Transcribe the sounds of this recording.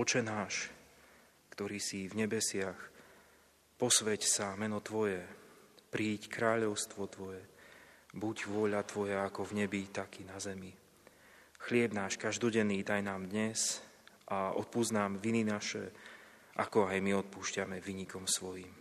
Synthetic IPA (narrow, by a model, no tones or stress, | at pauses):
ɔt͡ʃɛnaːʃ | kt̪ɔɾiːsivɲɛbɛsɪax | pɔsʋɛcsamɛnɔt̪ʋɔjɛpɾiːckɾaːʎɔʊst̪ʋɔt̪ʋɔjɛ | buɟʋʊɔʎat̪ʋɔjaakɔvɲɛbit̪akinazɛmi | xlɪɛbnaːʃkaʒd̪ɔɟɛnːiːd̪ajnaːmd̪ɲɛz | ʔaɔ̰t̪̚puznaːmʋininaʃɛ̰ | ʔa̰kɔajmiɔt̪̚puːʃcamɛʋiːɲikɔmsʋɔjim